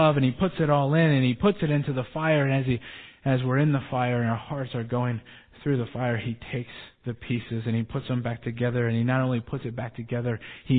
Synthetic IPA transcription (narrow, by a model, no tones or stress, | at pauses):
ʌvɨ̃nipʰʊtsɨɾɔlˠɪ̃nɨ̃nipʰʊtsɨɾɪ̃ntʉðəfaɪə˞ɨ̃ɨzɨzwɪɹɨ̃nðəfaɪə˞ɨ̃naə˞hɑɹtsə˞ɡoʊɪ̃ŋ | θɹʉðəfaɪə˞itʰeɪksðɨpʰisɨzɨ̃nipʰʊtsðə̃mbæk̚tʰɨɡɛðə˞ɨ̃ninəɾõʊ̃nlipʰʊtsɨt̚b̥æk̚tʰɨɡɛðə˞i